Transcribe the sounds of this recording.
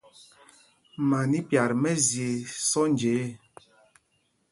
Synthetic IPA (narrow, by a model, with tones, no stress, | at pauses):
ma˨ni˦pja˨ɾmɛ˦zje˨sɔ˦nd͡ʒe˨˦